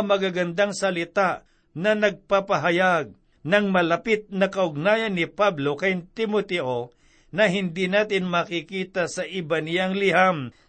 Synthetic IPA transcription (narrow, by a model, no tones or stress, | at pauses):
mɐɡaɡɐnd̪aŋsɐlɪt̪aʔ | nɐnɐɡ̚papɐɦɐjaɡ̚ | nɐŋmɐlɐpɪt̪̚nɐkɐʊɡ̚naːjɐnːɪpablo̞kɐjt̪ɪmot̪ɛʔo | nɐɦɪnd̪inaːt̪ɪnmakikiːt̪asɐʔɪbanɪjaŋlɪɦam